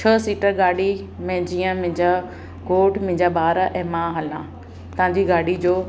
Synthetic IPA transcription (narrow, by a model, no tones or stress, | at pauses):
t͡ɕʰəsiːʈəɾɡaːɽi | mẽd͡ʑiːə̃mɪ̃ɦɪ̃ɲd͡ʑa | ɡoːʈmɪ̃ɦɪ̃ɲd͡ʑaɓaːɾaʔɛ̃ːmãɦɐlã | t̪ɐɦãɲd͡ʑiɡaːɽid͡ʑoː